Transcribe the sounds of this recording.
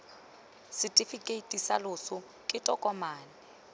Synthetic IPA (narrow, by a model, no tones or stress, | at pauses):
sɪtʼifikʼetʼisa̰lʊsʊ | kʼɪtʼɔkʼɔmaːnɪ